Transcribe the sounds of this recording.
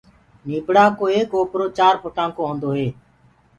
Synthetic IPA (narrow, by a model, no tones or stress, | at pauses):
niːpɽaːkoːeːkoːpɾoːt͡ʃaːɾpəʈãːŋkõːɦõːnd̪oːɦeː